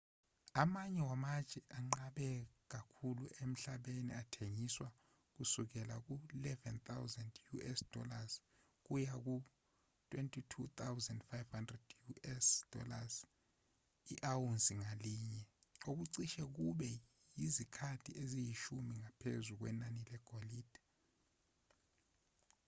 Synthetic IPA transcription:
amaɲɛwamḁt͡ʃʼɛʔaŋ͡ǃaɓɛk̬akʰuluem̩ɬaɓenḭatʰeŋiswa | k̬usuk̬ɛlak̬ulɛvɛnt̪ʰawzandjuɛsd̥ɔ̰laz | k̬ujak̬u | tʰʼwentʼitʰut̪ʰawzɛndfajvhandrɛd̥juʔɛsd̥ɔ̰laz | iʔawunsiŋaliːɲɛok̬uǀiʃɛk̬uɓɛ | jizikʰatʰiʔezijiʃumiŋapʰḛzuk̬wɛ̰nanilɛɡ̥ʱoliːd̥ʱḁ

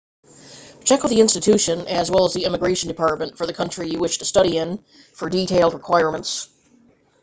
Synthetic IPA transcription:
t͡ʃʰɛkʌvðiɪ̃nstɨtʰʉʃɨ̃nɨzwɛlˠəzðiɪ̃mɨɡɹeɪʃn̩dɨpʰɑɹt̚mə̃ntfə˞ðɨkʰʌ̃nt͡ʃɹ̥ijɨwɪʃtʰɨstʌɾiɪ̃n | fə˞ditʰeɪlˠd̚ɹəkʰw̥aɪɹmə̃nts

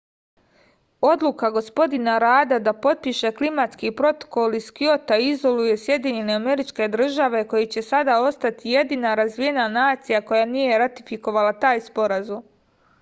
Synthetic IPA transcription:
o̞d̪lˠukaɡo̞spo̞d̪inaɾaːd̪ad̪apo̞t̪̚piʃe̞klimat̪skipɾo̞t̪o̥ko̞liskio̞t̪aizo̞luje̞sje̞d̪iɲe̞ne̞ame̞ɾit͡ʃke̞d̪r̩ʒaʋe̞ko̞jit͡ɕe̞sad̪ao̞st̪at̪ije̞d̪inaɾazʋije̞nanaːt̪sijako̞janie̞ɾat̪i̥fiko̞ʋalˠat̪aːjspo̞ɾazum

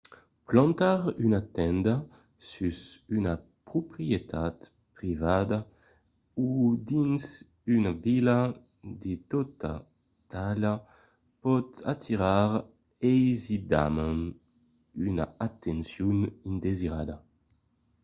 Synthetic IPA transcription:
plɑ̃nt̪aʁynat̪ɛnd̪a | syzynapɾupɾiet̪ʰat̪ | pɾivad̪a | ud̪inz | ynavila | d̪et̪ɔt̪a̰ | t̪ala | pɔt̪a̰t̪ʰiʁaʁ | ejzid̪a̰man | yna̰at̪ɛnsjunind̪eziɾad̪a

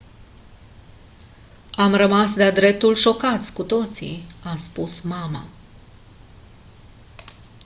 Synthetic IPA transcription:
amrəmasd̪ead̪ɾe̞p̚t̪ulʃo̞kat̪sʲkut̪o̞t̪sḭaspusmama̰

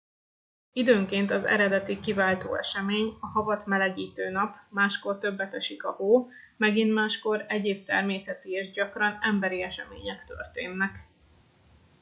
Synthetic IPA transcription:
id̪øːŋkeːnt̪ɒzɛ̰ɾɛd̪ɛt̪ikivaːlt̪o̰ːɛ̰ʃɛmeːɲɒɦɒvɒt̪mɛlɛɡiːt̪øːnɒpmaːʃko̞rt̪ø̞bːɛt̪ɛʃikɒhoː | mɛɡint̪maːʃko̞ɾɛɟeːp̚t̪ɛrmeːsɛt̪ieːʒɟɒkrɒnɛmbɛɾiɛʃɛmḛːɲɛkt̪ø̰rt̪ḛːnːɛk

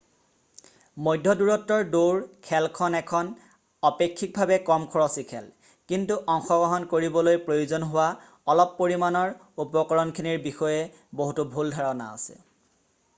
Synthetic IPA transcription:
mojdʱːɔduɹɔtːɔɹdoɹkʰɛlkʰɔnɛkʰɔn | ɔpekʰːik̚bʱabɛkɔmkʰɔɹɔsikʰɛ̰l | kintuʔɔŋxɔɡɔɦɔnkoɹibɔlojpɹojuzɔnɦʊwa | ɔlɔpːoɹimanɔɹ | upɔkɔɹɔnkʰiniɹbixɔjɛ | boɦutubʱuldʱaɹɔna̰ɔ̰sɛ̰

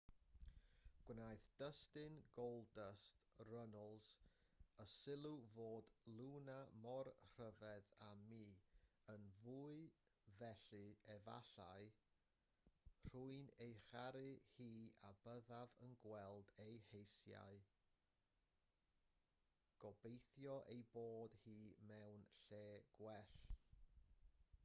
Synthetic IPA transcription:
ɡ̥wnajθd̥əstɨnɡowlˠdəstrənəlˠz̥ | əsɪlˠuvoːdlˠuːnamɔrr̥əvɛðamiːənvuːɨvɛɬɨɛva̰ɬaɨ | r̥uɨnejχaɾɨhiːabəðavənɡwɛlˠdejhejsja̰ɨ | ɡ̥ɔbejθjɔʔejboːdhiːmɛwnɬeːɡ̥wɛɬ

